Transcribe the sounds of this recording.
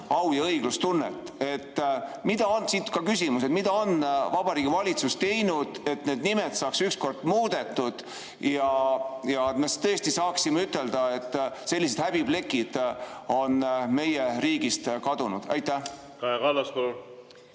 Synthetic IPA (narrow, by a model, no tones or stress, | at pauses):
ɑwjɑɤjɡ̥lust̪unːḛt̪ːˑ | e̞t̪ːmid̪̥ɑonsiːt̪kɑkysimuse̞t̪mid̪̥ɑo̞nvɑb̥ɑɾiːɡ̥ivɑlʲit̪sust̪t̪e̞jnud̪̥e̞t̪ne̞ːd̪̥nimet̪sɑːksyksko̞rd̪̥muːd̪̥e̞t̪ːˑud̪̥ | jɑjɑt̪mest̪ɤest̪isɑːksimeyt̪ːˑe̞ld̪̥ɑe̞t̪ːse̞lːis̬e̞d̪hæb̥ib̥le̞kːˑid̪̥o̞nme̞jeriːɡ̥ist̪kɑd̪̥unud̪̥ɑ̰jt̪ːæh | kɑjekɑlːɑsko